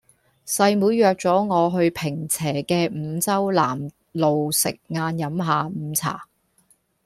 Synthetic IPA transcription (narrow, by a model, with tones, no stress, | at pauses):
sɐ˧jmuː˨˧jːœː˨˧k̚t͡sɔː˨˥ŋɔː˨˧ɦɵ˧ɥpʰɪ˨˩ŋt͡sʰɛː˨˩kɛː˧m̩˨˧t͡sɐ˥wla̰ː˨˩m | lo˨wsɪ̰˨k̚ŋaː˧njɐ˨˥mɦaː˨˧m̩ː˨˧t͡sʰa̰ː˨˩